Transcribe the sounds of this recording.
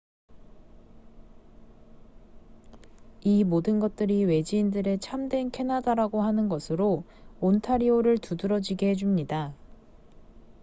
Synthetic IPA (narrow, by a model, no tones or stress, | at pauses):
imodɯnɡʌt̚t͈ɯɾiwe̞d͡ʑiːndɯɾe̞t͡ɕʰamdwe̞nkʰe̞nadaɾaɡoɦanɯnɡʌsʰɯɾo | ontʰaɾioɾɯɭtudɯɾʌd͡ʑiɡe̞ɦed͡ʑumɲida